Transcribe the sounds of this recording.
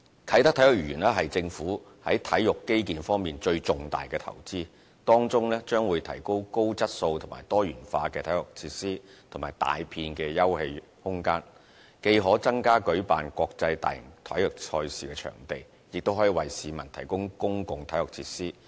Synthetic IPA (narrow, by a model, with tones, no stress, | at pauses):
k̪ʰɐ˨˥t̪ɐ˥k̚t̪ʰɐ˨˥jʊ˨k̚jyː˨˩nlɛː˥ɦɐ˨jt͡sɪ˧ŋfuː˨˥ | hɐ˨˥jt̪ʰɐ˨˥jjʊ˨kːe˥jk̬iː˨nfɔː˥ŋmiː˨nt͡ʃɵ˧ɥt͡sʊ˨ŋt̪a̰ː˨jkɛː˧t̪ʰɐ̰˨˩wt͡siː˥ | t̪ɔː˥ŋt͡sʊ˥ŋlɛː˥t͡ʃœː˥ŋwuː˨˧jt̪ʰɐ˨˩jko˥wko˥wt͡sɐ˥t̚so˧wt̪ʰʊ˨˩ma̰ː˨˩jt̪ɔː˥jyː˨˩nfaː˧kɛː˧t̪ʰɐ˨˥jʊ˨k̚t͡sʰiː˧˥t̚siː˥t̪ʰʊ˨˩maː˨˩jt̪a̰ː˨jpʰiː˧nkɛː˧jɐ˥whe˧j | hʊ˥ŋkaː˥n | ke˧jɦɔː˨˥t͡sɐ˥ŋkaː˥kɵ˨˥ɥpa̰ː˨nkʷɔː˧k̚t͡sɐ˧jt̪a̰ː˨jjɪ̰˨˩ŋt̪ʰɐ̰˨˥jʊ˨k̚t͡ʃʰɔː˧jsiː˨kɛː˧t͡ʃʰœ̰ː˨˩ŋt̪e˨j | jɪ˨k̚t̪wɦɔː˨˥ji˨˧wɐ˨jsiː˨mɐ̰˨˩nt̪ʰɐ˨˩jkʊ˥ŋkʊ˥ŋkʊ˧ŋt̪ʰɐ˨˥jʊ˨k̚t͡sʰiː˧tsiː˥